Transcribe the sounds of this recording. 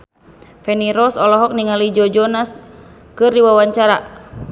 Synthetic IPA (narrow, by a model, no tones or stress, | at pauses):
fɛniɾɔsɔlɔɦɔk̚niŋalid͡ʒɔd͡ʒɔnas | kɨrdiwawaɲt͡ʃaɾa